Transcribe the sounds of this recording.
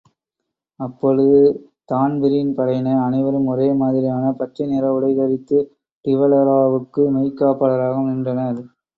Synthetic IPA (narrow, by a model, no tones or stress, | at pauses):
ɐpːɔɻɯðɯ | t̪aːnbɪɾɪnpɐɾɐɪnɐɐnɐʋɐɾɯmɔɾeːmaːðɪɾɪjaːnɐpɐʈrineːɾɐʋɯɽɐɪkɐɾɪt̪ːɯ | ʈɪʋɐlɐɾaːʋɯkːɯmɐɪkːaːpːɐlɐɾaːɣɐmnɪndrɐnɐɾ